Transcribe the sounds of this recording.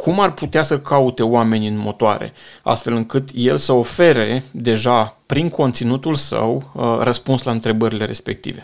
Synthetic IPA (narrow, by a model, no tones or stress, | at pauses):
kʰumarput̪easəkʰaut̪e̞oame̞nʲɨnmo̞t̪oa̰ɾe̞̰a̰st̪fe̞lɨŋkɨt̪je̞lsəo̞fe̞ɾe̞d̪e̞ʒapɾiŋkʰo̞nt̪sinut̪ulsə̰wrəspunslaɨnt̪ɾe̞bəɾile̞ɾe̞̰spe̞k̚t̪ḭve̞̰